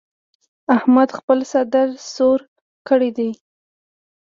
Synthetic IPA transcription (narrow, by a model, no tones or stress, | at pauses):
ahmad̪xpəlsad̪aɾsoɾ | kəɽid̪i